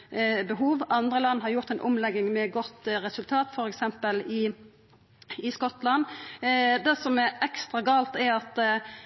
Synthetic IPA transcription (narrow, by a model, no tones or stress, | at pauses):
bəɦuːʋʔɑnd̪ɾəlɑnːɦɑɾjʊʁt̪æɪnʔʊmlɛɡɪŋmɛɡɔt̪ːɾɛsʉlt̪ʰɑːt̪fɔɾɛksɛmpəlɪ | ɪskɔt̪lɑn | d̪ɛsɔmɛɾɛkst̪ʁɑɡɑːlt̪ɛɾɑt̪